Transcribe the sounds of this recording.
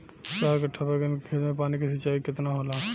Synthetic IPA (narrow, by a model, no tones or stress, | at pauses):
t͡ʃaːɾkɐʈʰːapeɡənkʰeːlmẽpaːnikisɐt͡ʃaːikɪt̪naɦola